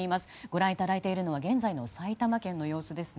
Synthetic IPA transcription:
imasɨ̥ɡ̥o̞ɾãɰ̃it̪aɾait̪e̞iɾɯ̟no̞β̞aɡẽ̞nd͡zaino̞sait̪amakẽ̞nːo̞jo̞ːsɨd̪e̞sɨ

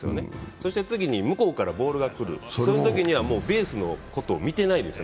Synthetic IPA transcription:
sɨjo̰ne̞so̞ɕi̥t̪e̞t͡sɨɡʲiɲ̟imɯko̞ːkaɾabo̞ːɾɯ̟ɡakɯ̟ɾɯ̟̰so̞not̪o̞kʲiɲ̟iβ̞amo̞ːbe̞ːsɨno̞̰ko̞t̪o̞ːmʲit̪e̞naid̪e̞sɨjo

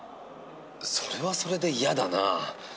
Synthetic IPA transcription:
sʰoɾe̞wasʰoɾede̞iadana̰

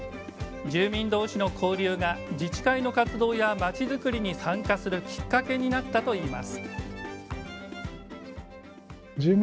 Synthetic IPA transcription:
d͡ʑɨːmʲĩnd̪o̞ːɕino̞kʰo̞ːɾʲɯːŋad͡ʑit͡ɕi̥kaino̞kat͡sɨd̪o̞ːjamat͡ɕizɨkɯ̟ɾʲiɲ̟isãŋkasɨɾɯ̟kʲi̥kːake̞ɲ̟inat̪ːat̪o̞iːma̰sɨ̥ | d͡ʑɨːm

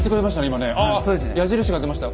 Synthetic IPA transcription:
t͡sɨ̥kɯɾʲemaɕit̪aneimane̞asoːd̪esnjaʑiɾɯ̟ɕ̬iɡad̪emaɕi̥t̪a

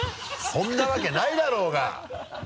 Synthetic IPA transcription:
hõ̞nːaβake̞naid̪aɾo̞ːɡa̰

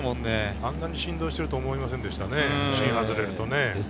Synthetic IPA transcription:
mõnːekãnd̪ãɲ̟ːiɕĩnd̪oːɕi̥t̪e̞ɾɯ̟t̪o̞ːmo̞imasẽnd̪e̞ɕi̥t̪aneɕĩɰ̃ɦazɨɾe̞ɾɯ̟t̪one̞

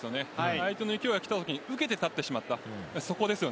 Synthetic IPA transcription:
sɨjo̞ne̞aait̪onoikʲiojakʲi̥t̪at̪o̞kʲiɲ̟iɯ̟ke̞t̪e̞t̪at̪ːe̞ɕimat̪ːaaso̞ko̞d̪e̞sɨjo̞

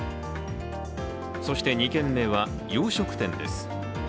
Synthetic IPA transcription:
so̞ɕi̥t̪e̞ɲ̟ikẽ̞mːe̞ːβa | joːɕo̞kɯ̟̥t̪ẽ̞nd̪e̞̰sɨ̥

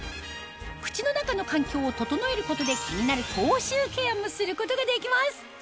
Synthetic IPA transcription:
kɯ̟̥t͡ɕino̞nakano̞kãŋkʲo̞ːt̪o̞t̪o̞no̞e̞ɾɯ̟ko̞t̪o̞d̪e̞kʲʰiɲ̟inaɾɯ̟kʰo̞ːɕɨːke̞amːosɨɾɯ̟ko̞t̪o̞ɡad̪e̞kʲimasɨ̥

